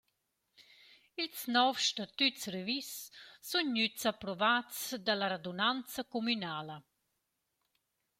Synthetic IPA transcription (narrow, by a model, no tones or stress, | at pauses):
ilsnɔfʃtat̪yt͡srevisːunːyt͡sapɾɔvat͡sd̪alaɾad̪unant͡sɐkomynaːlə